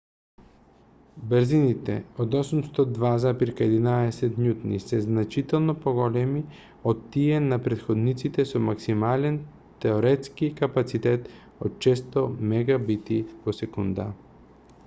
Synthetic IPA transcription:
bəɾzinit̪ɛ̰od̪osumst̪ɔd̪vazapiɾkaɛd̪inaɛsɛt̪ɲut̪nḭsɛznat͡ʃit̪ɛlˠnopoɡɔlɛmi | ot̪ːiɛnapɾɛt̪xod̪nit̪sit̪ɛsɔmaksimalɛn | t̪ɛoɾɛt̪skikapat̪sit̪ɛt̪ | ot̪̚t͡ʃɛst̪omɛɡabit̪ivosɛkund̪a̰

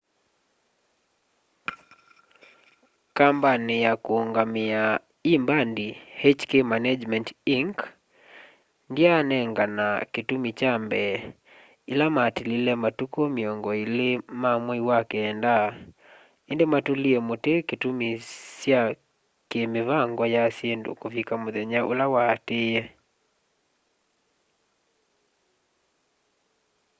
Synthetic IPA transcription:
kambanɪjakuuŋɡamɪa | imbandihɛt͡ʃkemanad͡ʒmɛntiŋk | ndianɛŋɡanakitumit͡ʃambɛ | ilamatililɛmatukomiɔŋɡɔilemamwɔiwakeːnda | endematoliɛmoteketumisja | kemeβaŋɡwɔjasjendo̰kovikamoðɛɲaʔo̰lawatejɛ

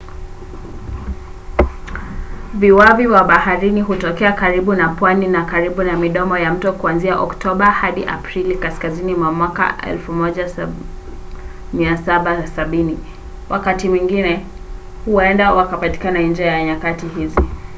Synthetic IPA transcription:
viwaviwaɓahaɾiniɦutɔkɛakaɾiɓunapwaninakaɾiɓunamiɗɔmɔjam̩tɔkuanziaʔɔktɔɓahaɗiʔa̰pɾilikaskazinimwamwaka̰ʔɛ̰lfumɔʄa | miasaɓasaɓini | wʔakatimwiŋɡinɛ | huwɛndawakapati̥kanaind͡ʒiajaɲakatiɦizi

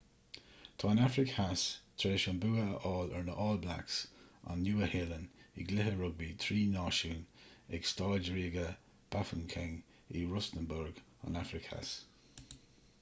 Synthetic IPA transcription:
t̪ʰɑːnafɾɪkhast̪ʰɾeːʃɔnbuːəəʔɔːləɹnəʔɔːlbla̰ksa̰nːjuːəheːlənḭɡlɪɦəɹʊɡ̚bit̪ʰɾiːnɑːʃuːnɛɡstaːd͡ʒəɹiːɡə | b̥afənkʰɛŋ | iɹʊstənbʊɹɡ | a̰nafɹɪkha̰s

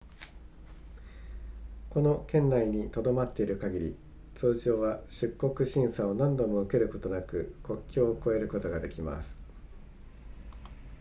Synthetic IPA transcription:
ko̞no̞kẽ̞nːaiɲ̟it̪o̞d̪o̞mat̪ːe̞iɾɯ̟kaɡʲiɾʲḭ | t͡sɨːʑo̞ːβaɕɨkːo̞kɯ̟ɕĩɰ̃sao̞nãnd̪o̞mo̞ɯ̟ke̞ɾɯ̟ko̞t̪o̞nakɯ̟kʰo̞kʲːo̞ːko̞e̞ɾɯ̟ko̞t̪o̞ɡad̪e̞kʲima̰sɨ̥

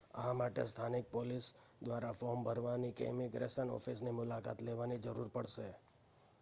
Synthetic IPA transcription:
ə̰ɦamaʈḛst̪ʰanɪk̚polis | d̪ʋaɾafɔɾmbʱəɾʋanikḛmiɡɾesənɔ̰fʰisnimʊlaka̰t̪leʋanid͡ʒəɾuɾpəɽʃe

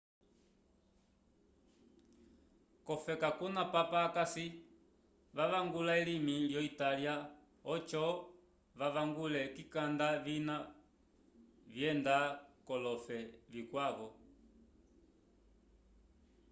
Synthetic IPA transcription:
kɔfɛkakunapapaːkasi | ʋaʋaŋɡulaɛlimiljɔitalja | ɔt͡ʃɔ | ʋaʋaŋɡulɛkikandavina | vjɛndakɔlɔfɛvikwaβɔ

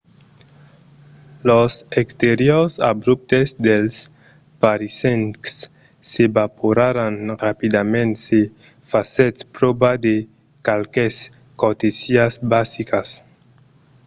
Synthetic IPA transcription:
losekst̪eɾjosabɾup̚t̪ezd̪els | paɾiseŋksː | ebapoɾaɾanrapid̪amẽnt̪se | faset̪spɾobad̪e | kalkes | kot̪isiasbasikas

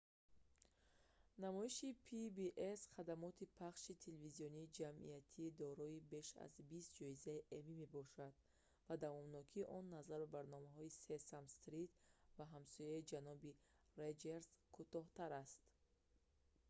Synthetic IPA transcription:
namɔiʃipʰibiʔesχad̪amɔt̪ʰipʰaχʃit̪ʰelevizijɔniːd͡ʒamḭat̪ʰiːd̪ɔɾɔibe̞ʃa̰zbist̪̚d͡ʒɔizaiʔemime̞bɔʃad̪ | vad̪avɔmnɔkʰiːʔɔnːazaɾbabaɾnɔmaɦɔisesamst̪ɾit̪vaɦamsɔjaid͡ʒanɔbi | red͡ʒeɾzkʰut̪ɔht̪aɾast̪

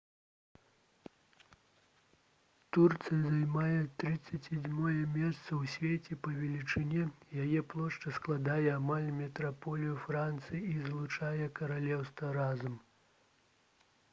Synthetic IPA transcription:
t̪urt̪sɨjɐzajmajɛt̪ɾɨt̪sːɐt͡sʲad͡zʲmɔjɛmʲɛst̪sɐwsʲvʲet͡sʲɛpɐvʲɛlʲit͡ʂɨnʲɛjajɛplˠɔʂt͡ʂɐsklˠad̪ajɛamalʲmʲɛt̪ɾapɔlʲijufɾant̪sɨjiizlˠut͡ʂajɛkɐɾalʲɛwst̪vɐɾazɐm

